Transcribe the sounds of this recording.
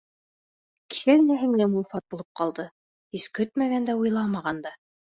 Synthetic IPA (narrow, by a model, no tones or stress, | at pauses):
ki̥sænæɦɘ̆ŋlæmufɑt̪̚bulˠɤp̚qɑlˠd̪ɤ | ɵskɵt̪̚mæɣænd̪æujlˠɑmɑʁɑnd̪ɑ